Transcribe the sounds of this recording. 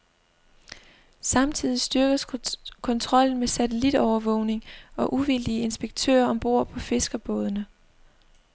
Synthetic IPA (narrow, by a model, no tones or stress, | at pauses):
sɑ̈mt͡sʰið̞̰ˠisd̥yɐɡ̥əskʰɒ̽nt͡sʰʁɒ̽l̰n̩mesæt͡sʰelid̥ɒʊɐʋɔ̰̽ʊne̝ŋɒ̽ʔuʋild̥iəe̝nsb̥eɡ̥̚t͡sʰø̰ːɐɒ̽mb̥o̝ɐ̰pʰɒ̽fe̝sɡ̥ɐb̥ɔ̽ːð̞ˠnə